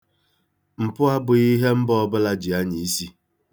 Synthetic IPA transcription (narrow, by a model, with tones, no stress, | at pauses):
m̩˨pʊ˦a˦bʊ˨i˦ɦe˦m̩˦bɔ˦bʊ˦la˦d͡ʒi˨a˦ɲi˨i˦si˦